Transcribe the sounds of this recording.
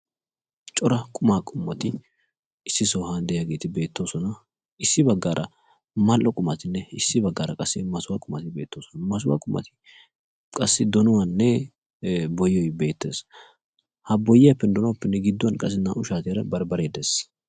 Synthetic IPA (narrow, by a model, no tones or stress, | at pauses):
t͡ʃʼɔɾɐkʼʊmaːkʼʊmːɐt̪ɪ | ɪsːɪsoːhɐnd̪ɛjaɡe̞ːt̪ɪbe̞ːt̪ːo̞ːsɔnɐ | ɪsːɪbɐɡːaːɾʔɐ̰ | mɐlʔɔkʼʊmɐt̪ɪnːɛɪsːɪbɐɡːaːɾɐkʼɐsːɪmɐsʊwaːkʼʊmɐt̪ɪbe̞ːt̪ːo̞ːsɔnɐmɐs̬ʊwa̰ːkʼʊmːɐ̰t̪ɪ̥ | kʼɐsːɪd̪ɔnɔwɐnːɛ | bɔjɔjbe̞ːt̪ːe̞ːs | hɐbɔjːɪjɐpːɛnd̪ɔnɔwɐpːɛnːɛɡɪd̪ːɔwɐnkʼɐs̬ɪnːɐʊʃaːt̪eɾɐbɐɾbɐɾeːd̪ɛs